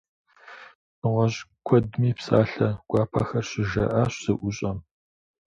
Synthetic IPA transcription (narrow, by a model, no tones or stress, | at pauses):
ʁʷɔʑkʷʰɔdmiːpsa̰ːɬɐɡ̥ʷɑːpʰa̰ːxɐrɕɪʒɐ̰ʔaɕsɨʔʷʊɕʼɐm